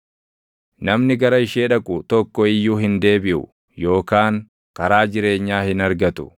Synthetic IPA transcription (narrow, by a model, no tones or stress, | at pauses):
nɐmnɪɡɐɾɐɪʃeːᶑɐkʼʊt̪ɔkːɔɪjːuːɦɪnd̪e̞ːbɪʔʊ̰ | jo̞ːkaːŋ | kɐɾaːd͡ʒɪɾe̞ːɲːaːhɪnɐɾɡɐt̪ʊ̥̰